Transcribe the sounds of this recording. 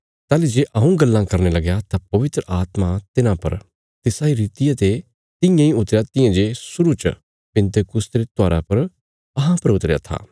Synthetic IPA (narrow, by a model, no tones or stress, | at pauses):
t̪aːlid͡ʒeːʔɐũɡɐlːãkɐɾnelɐɡjat̪apɐʋɪt̪ɾəʔaːt̪mat̪ɪnãpɐ̰ɾ | t̪ɪsaːiɾiːt̪ɪjat̪e | t̪ɪ̃jãĩʊt̪ɾejat̪ɪ̃jãd͡ʒeːsʊɾut͡ʃ | pɪ̃nt̪ekʊst̪ɾet̪aːɾa̰pɐɾ | ɐɦãpɐɾʊt̪ɾeja̰t̪ʰa̰ː